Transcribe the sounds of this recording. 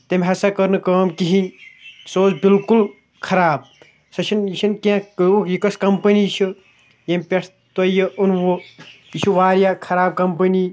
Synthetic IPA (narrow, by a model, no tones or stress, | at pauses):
t̪ɐmʲɦɐsɐkɐɾnɨkəːmkiɦĩsoːt͡sbilkul | kʰɐɾaːb̚ | sɐt͡ʃʰɐnit͡ʃʰinkiãkəwokjikɐskɐmpɐnit͡ʃʰɨ | jɐmʲpʲeʈʰ | t̪ojɐʔunʋo | it͡ʃʰuʋaːɾjakʰɐɾaːb̚kɐmpɐni